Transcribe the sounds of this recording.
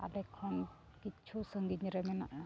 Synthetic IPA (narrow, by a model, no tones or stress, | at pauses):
a̰lekʰːɔn | kit͡ʃʰusəŋɡit̪ɲiɾemena